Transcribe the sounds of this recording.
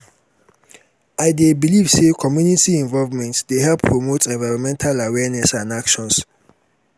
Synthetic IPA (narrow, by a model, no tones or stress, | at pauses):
aɪdebiliv̥sekʰɔmjunitiɛ̃nvɔlvmɛ̃ntsdeɦɛlpʰːɹomotʰɛ̃nvaɪɹɔ̃nmɛ̃ntʰalawɛnɛsãnakʃɔ̃ns